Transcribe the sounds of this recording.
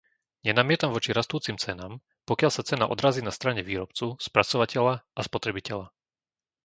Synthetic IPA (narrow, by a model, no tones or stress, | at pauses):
ɲɛnamɪɛt̪amʋɔt͡ʃiɾast̪uːt͡simt͡sɛnaːm | pɔkɪaʎsat͡sɛna̰ʔɔ̰d̪ɾaːziːnast̪ɾaɲɛʋiːɾɔp̚t͡suspɾat͡sɔʋacɛʎaʔaspɔt̪ɾɛbicɛʎa